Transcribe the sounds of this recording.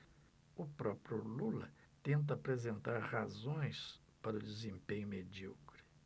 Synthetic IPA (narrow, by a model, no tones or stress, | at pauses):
ʊpɾɔpɾjʊlulɐ | t̪ẽnt̪̬ɐːpɾezẽnt̪aɾhazõj̃s | paɾʊd͡ʒizẽmpẽɲʊmed͡ʒikɾɪ̥